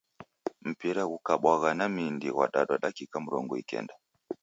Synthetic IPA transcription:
m̩piɾaɣukaɓwaɣanamindiwa̰ɗaɗaɗakikam̩ɾɔŋɡɔikɛ̰nda

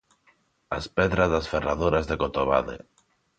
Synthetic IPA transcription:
aspɛðɾazðasferaðuɾazðekot̪oβa̰ðḛ

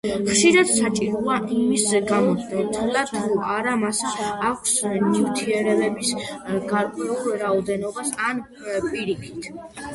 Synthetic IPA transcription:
χʃiɾad̪̥sat͡ʃʼiɾuaʔimisɡamɔt̪ʰɛlatt̪ʰuʔaɾamasaːkʷʰsniɾt̪ʰiɛɾɛɾɛbisɡaɾqʼɛulˠɾaɔd̪ɛnɔbasan | pʼiɾipʰi̥t̪ʰ

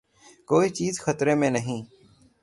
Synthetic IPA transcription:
koːiːt͡ʃiːzxət̪ɾeːmẽːnəɦĩː

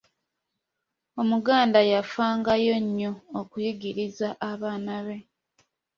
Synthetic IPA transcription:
o̞muɡaːndajafaːŋɡajo̞ɲːo̞ːkujiɡiɾizaʔaβaːnaβe̞

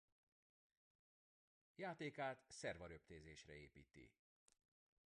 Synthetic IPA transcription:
jaːt̪eːkaːt̪sɛrvɒɾøp̚t̪eːzeːʃrɛeːpḭːt̪ḭ

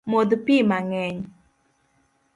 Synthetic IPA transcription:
mod̪pimaŋɛɲ

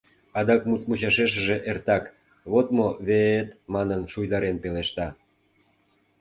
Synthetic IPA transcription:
ɑd̪ɑkmut̪̚mut͡ɕɑʃeʃ̬əʒeʔert̪ɑk | βot̪moβeet̪mɑnənʃujd̪ɑɾenpeleʃt̪ɑ

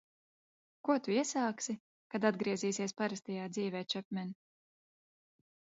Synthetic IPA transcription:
kuɔt̪uiɛsaːksi | kad̪ad̪ɡɾiɛziːsiɛspaɾast̪ɛjaːd̪ziːvɛːt͡ʃap̚mʲɛn

